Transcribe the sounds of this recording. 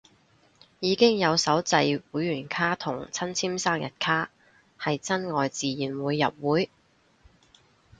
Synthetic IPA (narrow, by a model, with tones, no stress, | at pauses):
jiː˨˧kɪ˥ŋjɐ˨˧wsɐ˨˥wt͡sɐ˧jwuː˨˥jɥyː˨˩nkʰaː˥t̪ʰʊ˨˩ŋt͡sʰɐ˥nt͡sʰiː˥msaː˥ŋjɐ̰˨t̚kʰaː˥ | hɐ˨jt͡sɐ˥nŋɔː˨jt͡siː˨jiː˨˩nwuː˨˧jːɐ˨p̚wuː˨˥j